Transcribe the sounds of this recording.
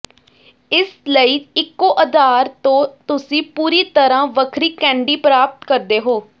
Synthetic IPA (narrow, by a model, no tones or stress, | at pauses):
ɪsləiːɪkːoːʔəd̪aːɾt̪õːt̪ʊsĩːpuːɾiːt̪əɾãːʋəkʰɾiːkɛ̃ːɳɖiːpɾaːp̚t̪kəɾd̪eːɦoː